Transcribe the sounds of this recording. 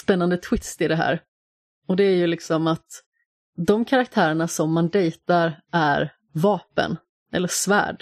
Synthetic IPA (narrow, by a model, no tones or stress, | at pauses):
spɛnːand̪ət̪ʰwɪst̪ɪd̪ɛɦæ̰ːɾ | ɔd̪ɛæɾjɵlɪksɔmat̪ | d̪ɔmkʰaɾak̚t̪ʰæːɾəɳasɔmːand̪ɛjt̪aɾæɾ | vɑːpə̰n | ʔɛ̰lːəʂvæ̰ːɖ